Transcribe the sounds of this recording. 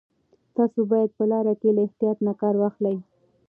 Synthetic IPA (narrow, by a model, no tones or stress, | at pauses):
t̪ɑsobɑjad̪̚pəlɑɾakelaɪht̪ijɑt̪nakɑɾwɑxlaj